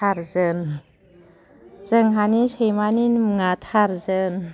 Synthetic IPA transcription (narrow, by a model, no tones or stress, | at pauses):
aɾzən | zəŋɦanisəjmaninmŋatʰaɾzən